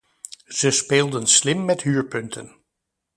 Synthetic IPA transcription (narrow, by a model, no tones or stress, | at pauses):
z̥əspeːlˠdənslɪmːɛtɦyːɹpɵntʰə̰n